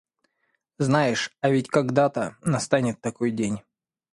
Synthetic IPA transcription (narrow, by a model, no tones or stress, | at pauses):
znajɪʂɐvʲɪtʲkɐɡd̪at̪ənɐst̪anʲɪt̪ːɐko̞jdʲenʲ